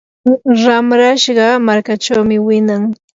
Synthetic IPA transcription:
ɾamɾaʃɢɑmaɾkat͡ʃawmɪwɪnaŋ

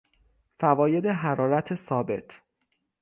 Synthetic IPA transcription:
fævɒːje̞d̪eɦæɾɒːɾæt̪ʰesɒːbe̞̰t̪ʰ

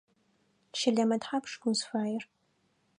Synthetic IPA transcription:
ʃɪɮɐmɐtħapʂɡʷʊnsfaːjɪr

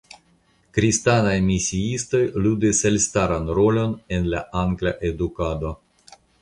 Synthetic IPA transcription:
kɾistanajmisiisto̞jludeselstaɾanɾo̞lo̞ne̞nlaʔaŋɡlaʔe̞dukado̞

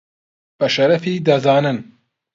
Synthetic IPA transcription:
b̥ɐʃɐɾɐfiːd̪ɐzɑːnɨn

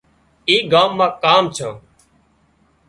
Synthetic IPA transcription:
iːɡaːmːãːkaːmt͡ʃʰãː

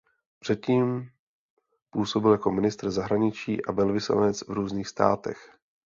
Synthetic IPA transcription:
pr̝̥ɛt̪̚ciːm | puːso̞bɪljako̞mɪnɪst̪r̩zaɦɾaɲɪt͡ʃiːʔabɛlvɪsla̰nɛt͡svɾuːzɲiːxst̪a̰ːt̪ɛ̰x

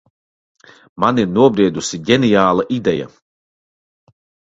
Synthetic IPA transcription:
maniɾnuɔbɾiɛd̪usiɟʲɛnijaːlˠaʔid̪ɛja̰

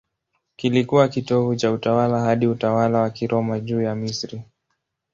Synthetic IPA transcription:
kilikuwakitɔvut͡ʃautawalahaɗiutawalawakiɾʔɔmaʄuːjamisɾi

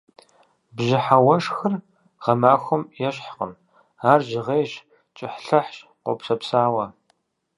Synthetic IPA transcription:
bʒɪħawɐʂxɨr | ʁɐmaːxʷʊmjɛɕħqə̰m | aːrʒɪʁeːjɕ | t͡ʃʼɪħɬɐħɕqʷo̰psɐpsaːwɐ

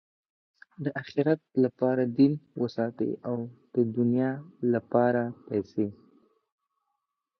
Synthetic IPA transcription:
d̪əʔaxɪɾat̪̚lapɑɾad̪inwəsɑt̪ḛʔawd̪̥əd̪ʊnjɑlapɑɾapɛjse

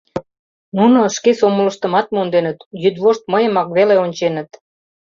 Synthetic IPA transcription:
nunoʃkesomələ̆ʃt̪ə̆mɑt̪̚mond̪enət̪jyd̪βoʃt̪̚məjəmɑkβeleonʲt͡ɕenət̪

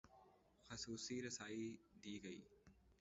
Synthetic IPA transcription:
xɐsuːsiːɾɐsaːid̪iːɡɐj

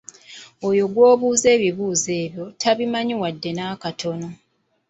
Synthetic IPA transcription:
o̞jo̞ɡwo̞ːβuːze̞ːβiβuːze̞ːβjo̞tʰaβimaɲiwadːe̞naːkatʰo̞no̞

